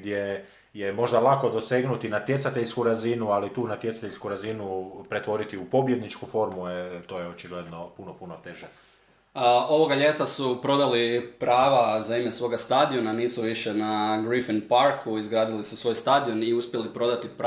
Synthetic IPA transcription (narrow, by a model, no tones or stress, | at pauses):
d̪je | jemo̞ʒd̪alˠako̞d̪o̞se̞ɡnut̪inat̪jetsat̪e̞ʎskuɾazinualit̪uːnat̪jesḁt̪eʎʲskuɾazinupɾe̞t̪ʋo̞ɾit̪iupo̞bje̞d̪nit͡ʃkufo̞ɾmuet̪o̞jeot͡ʃiɡled̪no̞punopuno̞t̪eʒe | o̞ʋo̞ɡaʎe̞ːt̪asupɾo̞d̪alipɾaːʋazaimesʋo̞ːɡast̪ad̪io̞naniːsuʋiʃe̞naɡɾifinpaɾkʰuizɡɾaːd̪ilisusʋo̞jst̪ad̪io̞niuspje̞lipɾo̞d̪at̪ip